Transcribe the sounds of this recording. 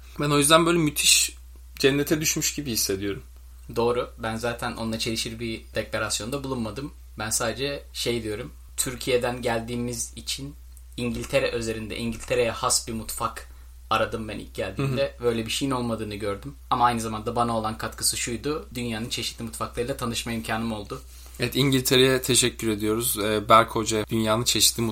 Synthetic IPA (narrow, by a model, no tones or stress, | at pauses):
bæno̞jyzd̪ænbøjlʲɛmyt̪ʰiʃ | d͡ʒɛnːet̪ʰɛd̪yʃmyʃɟibihisːe̞d̪ijo̞ɾum | d̪o̞ːɾubænzaːt̪ʰænʔo̞nd̪at͡ʃʰe̞lʲˠiʃiɾbid̪̥eclʲeɾasjo̞nd̪abulˠunmad̪ɯm | bænsaːd̪ed͡ʒɛʃe̞jd̪ijo̞ɾum | t̪ʰyɾcʰije̞d̪ænɟælʲd̪iːmizit͡ʃʰin | iɲɟilʲt̪ʰe̞ɾɛʔøze̞ɾind̪ɛ̰ʔiɲɟilʲt̪ʰe̞ɾejɛhasbiɾmut̪fak | aɾad̪ɯmbænḭlc̚ɟælʲd̪iːmd̪ɛbø̞jlʲɛbiʃejino̞lˠmad̪ɯːnɯɟøɾd̪ym | amaajnɯzamand̪abanao̞lˠankʰat̪kʰɯ̥sɯʃujd̪ʊd̪ynjaːnɯnt͡ʃʰe̞ʃit̪lʲimut̪faklˠaɾɯlˠat̪ʰanɯʃmaimcʰaːnɯmo̞lˠd̪ʊ | evɛt̪iɲɟilʲt̪ʰeɾejɛt̪ʰe̞ʃɛcʰːyɾe̞d̪ijo̞ɾuzɛbæɾʲkho̞d͡ʒad̪ynjaːnɯnt͡ʃʰe̞ʃi̥t̪lʲimu